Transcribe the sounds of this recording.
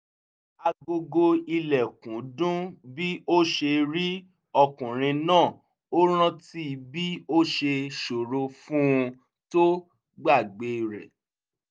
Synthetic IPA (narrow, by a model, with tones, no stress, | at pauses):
a˧ɡo˧ɡo˧i˧lɛ˨kũ˨˦dũ˦bi˦o˦ʃe˧ɾi˦ | ɔ˧kũ˨ɾ̃ĩ˧nãː˦˨ | o˦ɾ̃ã˦ti˦˧bi˦o˦ʃe˧ʃo˨ɾo˧fũ˦˧ | to˦ | ɡ͡ba˦˨ɡ͡be˧˨ɾɛ˨